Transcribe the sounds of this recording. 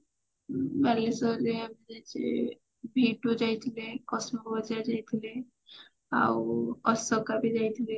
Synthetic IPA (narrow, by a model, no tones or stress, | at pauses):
balesɔɾeamid͡ʒajt͡ʃʰḛ | bʱiʈud͡ʒajt̪ʰilekɔsmɔbbɔd͡ʒaɾd͡ʒajt̪ʰile | a̰wɔsɔkabid͡ʒajt̪ʰile